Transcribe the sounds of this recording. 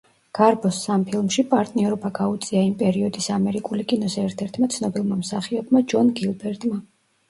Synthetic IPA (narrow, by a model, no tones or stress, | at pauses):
ɡ̥aɾbɔsːampʰilˠmʃipʼaɾt̪ʼniɔɾɔbaɡaut̪sʼiaimpʼɛɾiɔd̪isamɛɾikʼulikʼinɔzɛɛɾt̪ʰɛɾt̪ʰmat̪sʰnɔbilˠmamsaχiɔbmad͡ʒɔnɡilˠbɛɾt̪ʼma